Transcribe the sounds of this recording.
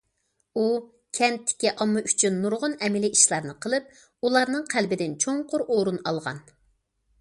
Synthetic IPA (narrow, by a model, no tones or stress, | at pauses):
u | kʲʰɛnt̪ʰːɪ̥kʲiʔɑmːɑyt͡ʃʰynːuɾʁʊnɛmɪliʔiʃlˠɑɾnɨqʰəlˠɨp̚ | ulˠɑɾnɨŋqʰælbɪd̪ɪnt͡ʃʰoŋqʊɾʔoɾunɑlˠʁɑ̰n